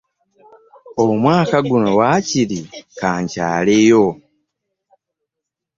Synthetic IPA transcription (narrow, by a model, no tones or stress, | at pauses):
omwaːkaɡuno̞waciɾikaːɲca̰ːlejo̞